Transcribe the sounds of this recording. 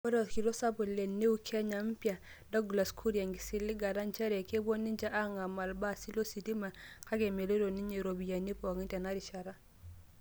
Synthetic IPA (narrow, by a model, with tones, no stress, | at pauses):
ɔ˦ɾɔ˨tki˨do˦sa˦bu˨le˨nːe˦u˦kʰɛ˦ɲa˨m˦pja˨ | dɔ˦ɡla˨skʰu˦ɾja˨ŋɡi˨si˨lːi˦ɡa˨ɾa˦nt͡ʃɛ˦ɾe˨ke˦bo˦ni˦ɲd͡ʒa˦ʔa˦ŋa˨ma˨lba˦˨si˦lo˦si˨di˦ma˨ka˦ɡɛ˨me˨lo˦ɾo˨ni˦ɲe˨ɾo˨bi˨ja˨ni˦pɔ˨ŋi˦tɛ˨na˦ɾi˨ʃa˨ɾa˦